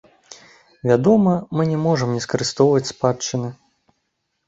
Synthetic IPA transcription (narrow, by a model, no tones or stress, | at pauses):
vʲad̪ɔmɐmɨnʲɛmɔʐɐmnʲɛskɐɾɨst̪ɔwvɐt͡sʲspat͡ʂːɨnɨ